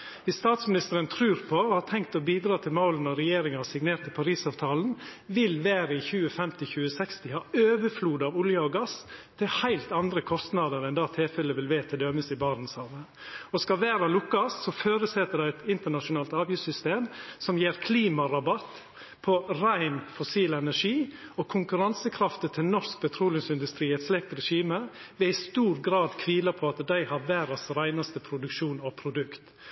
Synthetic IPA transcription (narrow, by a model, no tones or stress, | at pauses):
ʋɪsst̪ɑːt̪smɪnɪst̪əɾənt̪ʰɾʉːɾpʰɔhɑtʰɛŋkt̪ɔbiːd̪ɾɑːt̪ʰɪlmoːlənɔɾɛjeːɾɪŋəɑsɪɡneːɾʈ̪t̪ʰːɪlpʰɑɾiːsɑːʋt̪ʰɑːln̩ʋɪlʋæːɾəɪçʉːəfɛmt̪ɪçʉːəsɛkst̪ɪhɑːøːʋəfluːd̪ɑʋʊljɑɔɡɑst̪ʰɪlhæɪlt̪ɑnd̪ɾəkʰɔst̪nɑd̪əɾɛnd̪ɑːt̪ʰɪlfɛlːəʋɪlʋeːt̪ʰɪd̪œməsɪbɑɾnn̩sɑːʋə | ɔskɑʋæːɾɑlʊkːɑssɔføːɾəsɛt̪ːəɖæɪɛt̪ɪnt̪əɳɑʃʊnɑːlt̪ɑːʋjʉsʏst̪eːmsɔmjeːɾkʰliːmɑɾɑbɑt̪ː | pʰɔɾæɪnfʊsiːlɛnæɾʂiːɔkʰʊŋkʉɾɑnsəkʰɾɑft̪ət̪ʰɪlnɔʂk̚bʰɛt̪ʰɾuːlɪŋsɪnd̪ʉst̪ɾiːɛt̪slɛk̚t̪ɾɛʂiːməʋɛɪst̪uːɾɡɾɑːd̪kʰʋiːlɑpʰɔɑt̪d̪æɪhɑɾʋæːɾɑsɾæɪnɑst̪əpʰɾʊd̪ʉkʃuːnɔpʰɾʊd̪ʉkt̪